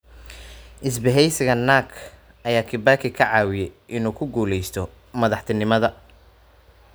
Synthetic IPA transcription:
ʔɪs̬bɛɦɛjsɪɣɐnaːkʰ | ʔɐjaːkʰɪbaːkʰɪkʰɐʕɑːwɪjɛjʔɪnuːkʰʊɡuːlɛjst̪ʰɔ | mɐðɑħt̪ʰɪnɪmɐðɐ

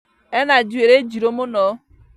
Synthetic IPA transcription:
enad͡ʒueɾed͡ʒiɾomʊnɔ

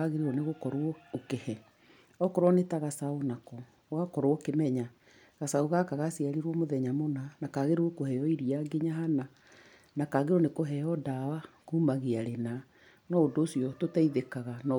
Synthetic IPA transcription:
aɣeɾeɔneɣokɔɾwɔokehɛ | ɔkɔɾwɔnetaɣasaonakɔː | ɣakɔɾookemɛɲa | ɣasaoɣakaɣasiaɾeɾwɔmoðɛɲamonanakaɣeɾookohɛɔiɾiaɡeɲaɦana | nakaɣeɾɔnekoɦɛɔdawakuːmaɣeaɾena | nɔodoːsiɔtotaiðekaɣanɔ

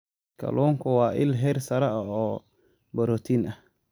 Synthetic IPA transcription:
kʰɐ̰lʔɔːŋkʰʊwɑːʔɪlɦɛrsɐɾɐɐɔː | bɐɾɔːt̪ʰiːnɐh

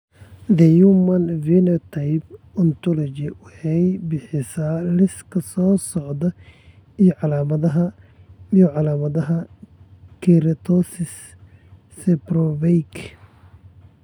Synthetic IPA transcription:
d̪ɛjumɐnvilɛɔt̪ʰajb | ɔnt̪ʰɔlɔt͡ʃɪwɑħɛjbɪħɪsaːlɪskʰɐsɔːsɔʕd̪ɐ | ijɔʕɑlaːmɐðɐɦɐ | ijɔʕɑlaːmɐðɐɦɐ | kʰiɾt̪ʰɔsɪsː | ɛbɾɔvɛjkʰ

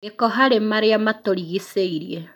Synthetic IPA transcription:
ekɔɦaɾemaɾeamatoɾiɣiseiɾie

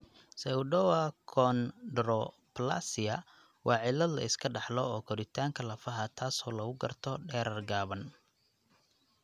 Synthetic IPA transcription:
sɛʊɖɔwɐkʰɔndɾɔ | pla̰sɪjɐ | wʔɑːʕɪlɐd̪lɐ̰ɪskʰɐɖɑħlɔɔːkʰɔɾɪt̪ʰaːŋkʰɐlɐfɐɦɐt̪ʰaːsɔːlɐɣʊɡɐrt̪ʰɔɖɛːɾɐrɡaːβɐn

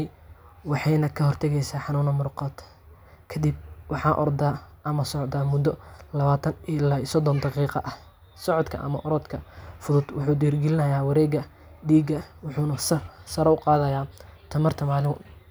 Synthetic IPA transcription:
wɑħɑjnɐkʰɐhɔrt̪ʰɐɣɛjsaːħɑnuːnɐmʊɾqɔd̪ | kʰɐd̪ib̚wɑħɑːʔɔ̰rd̪aːʔɐmɐsɔʕd̪amʊd̪ɔlɐβaːt̪ʰɐnɪlaːisɔd̪ɔnd̪ɑqiːqɑ̰ʔɐh | sɔʕɔd̪kʰɐ̰ʔɐ̰mɐ̰ʔɔɾɔːd̪kʰɐfʊðʊd̪wʊħuːd̪iːrɡɛlɪnɐjaːwɑɾɛːɡɐ | ɖ̪iːɡɐwʊħuːnɐssɐɾɐʊqɑːðɐjaː | t̪ʰɐmɐrt̪ʰɐmaːlɪ

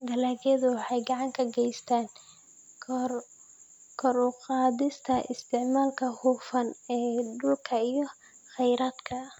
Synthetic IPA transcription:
d̪ɐlaːɣɛðʊwɑħɑjɡɑʕɑŋkʰɐɡɛjst̪ʰaːn | kʰr | kʰɔɾʊqɑːðɪst̪ʰɐʔɪ̰st̪ʰɪʕmaːlkʰɐhuːfɐnɛːɖʊlkʰɐijɞ | χɛjɾaːd̪kʰɐ

